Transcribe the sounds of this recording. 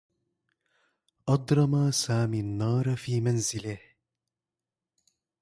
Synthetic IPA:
ʔɑd̪ˤɾˤɑmasaːmiːʔanːɑːɾˤfiːmanzɪlɪh

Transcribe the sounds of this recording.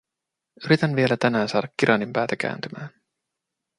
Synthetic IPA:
yɾit̪ænʋie̞læt̪ænæːnsɑːdɑkːiɾʔɑnimpæːt̪æk̟æ̰ːnt̪ymæːn

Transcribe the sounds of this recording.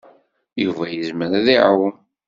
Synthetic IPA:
juvæjəzməɾæðiʕaw

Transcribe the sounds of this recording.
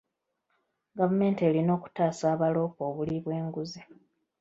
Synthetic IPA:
ɡavume̞ːnte̞ːlino̞ːku̥taːsaːβalo̞ːpo̞ːβuliβwe̞ːŋɡuzi

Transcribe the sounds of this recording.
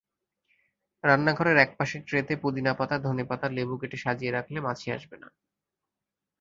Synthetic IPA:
ɾanːaɡʱɔɾeɾɛk̚paʃeɾʈɾet̪epud̪inapat̪ad̪ʱonipat̪aɾlebukeʈeʃad͡ʑieɾakʰlemat͡ɕʰia̰ʃbena̰

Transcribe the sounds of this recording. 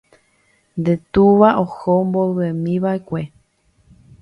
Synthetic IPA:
nd̪et̪uʋaʔohomboβemĩʋaekʷe

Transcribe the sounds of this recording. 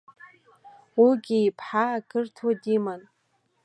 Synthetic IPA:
wiɡʲiːpʰħaːɡɨrtʰwadiman

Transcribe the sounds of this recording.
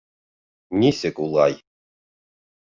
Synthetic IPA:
nʲisʲekʼulˠɑ̰j

